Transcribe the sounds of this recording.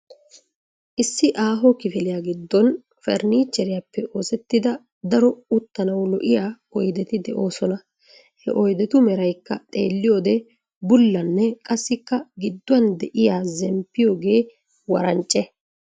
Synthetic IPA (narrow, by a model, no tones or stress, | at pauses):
ʔɪsːɪʔaːɦɔkɪfɪlɪjaːɡɪd̪ːɔn | fɛ̰ɾniːt͡ʃːɛɾɪjapːɛʔo̞ːsɛt̪ːɪd̪ɐ | d̪ɐɾɔʊt̪ːɐnɐwlɔʔɪjaː | ɔjd̪ɛt̪ɪd̪ɛʔo̞ːsɔnɐ | hɛ̰ʔɔjd̪ɛt̪ʊmɛɾɐjkːɐt̪ʼḛːlːɪjo̞ːd̪ɛ | bʊlːɐnːɛkʼɐsːɪkːɐɡɪd̪ːʊɐnd̪ɛʔɪjaːzɛmpːɪjo̞ːɡe̞ː | wɐɾɐnt͡ʃʼːɛ